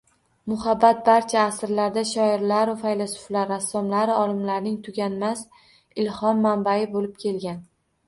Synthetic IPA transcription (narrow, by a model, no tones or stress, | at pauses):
mʊhabːat̪̚baɾt͡ʃʰaːsɪɾlaɾd̪aʃɒɪɾlaɾʊfajlasʊ̥flaɾːasːɒmlaɾɪɒlˠɪmlaɾnɪŋt̪ʰʊɡʲanmas | ɪlhɒmːambajɪbolɪp̚kʲʰe̞lɡʲan